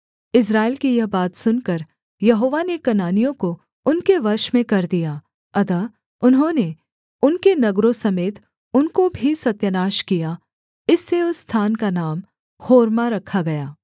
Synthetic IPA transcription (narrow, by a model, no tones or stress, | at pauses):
ɪs̬ɾaːɪlkijɐɦbaːt̪sʊnkɐɾ | jɐɦoːʋanekɐnaːnijõko | ʊnkeʋɐɾʃmẽkɐɾd̪ijaː | ɐt̪ə | ʊnɦõːne | ʊnkenɐɡɾõsɐmeːt̪ | ʊnkobʱisɐt̪jənaːʃkija | ɪsːeʊsːt̪ʰaːnkanaːm | hoːɾmaɾɐkʰaɡɐjaː